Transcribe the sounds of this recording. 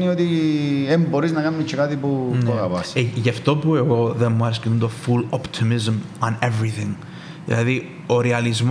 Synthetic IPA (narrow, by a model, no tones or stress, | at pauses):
niot̪iemboɾiznɐkɐnːit͡ʃʰːekɐt̪ipuɐɣɐpɐsʝɐft̪o̞pueɣo̞ðemːuɐɾiskeund̪ofulopt̪ʰimizmɐnevɾiθiŋ | ðḭlɐði | oɾeɐlizm